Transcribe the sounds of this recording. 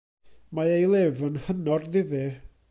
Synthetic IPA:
maejlˠɪvənhənɔrðɪðɨ

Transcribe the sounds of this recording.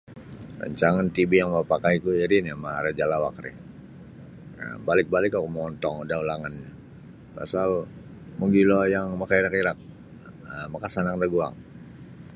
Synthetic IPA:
ra̰ɲt͡ʃaŋant̪ibijaŋməpakaikuiɾinamaaɾad͡ʒalawa̰kɾḭ | ə̰balɪk̚balɪkakumɔnt̪ɔŋdaulaŋanɲa | pa̰sal | muŋɡilɔjaŋmakaiɾakiɾak̚ | əmakasanaŋdaɡua̰ŋ

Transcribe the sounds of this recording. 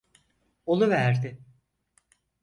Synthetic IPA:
olˠuvæɾd̪ɪ

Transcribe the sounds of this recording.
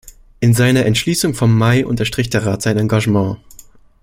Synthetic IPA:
ʔɪnzaɪnɐʔɛntʃliːsʊŋfɔmːaɪʔʊ̰ntɐʃtʁ̥ɪçd̥eːɐʁaːtz̥aɪnãŋɡaʒəmɑ̃ː

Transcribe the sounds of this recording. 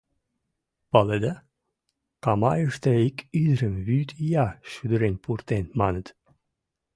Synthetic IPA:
pɑled̪ə | kɑmɑjəʂt̪eikyd̪ɾəmβyt̪jɑʃyd̪ɾenʲpʰurt̪enmɑnə̆t̪

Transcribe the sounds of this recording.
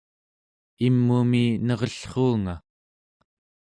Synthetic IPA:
imːuminʌʁʌɬχuːŋa

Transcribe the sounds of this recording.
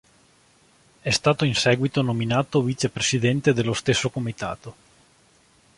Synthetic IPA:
ɛst̪aːt̪oinsɛːɡwit̪onominaːt̪oviːt͡ʃepɾesid̪ɛnt̪ed̪elːost̪esːokomit̪a̰ːt̪o

